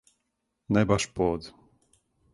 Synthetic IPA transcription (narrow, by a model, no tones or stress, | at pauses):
nɛbaʃpɔd̪